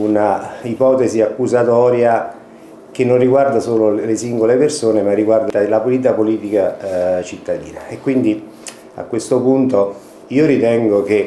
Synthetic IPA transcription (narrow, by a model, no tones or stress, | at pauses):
unaipɔːt̪esiakːuzat̪ɔːɾja | k̟enːonriɡward̪asoːlolesiŋɡolepersoːnemarːiɡward̪alapoliːt̪̬apoliːt̪ikat͡ʃit̪ːad̪ḭːnaekːwind̪i | a̰kːwest̪opunt̪o | iːoɾit̪ɛŋɡoke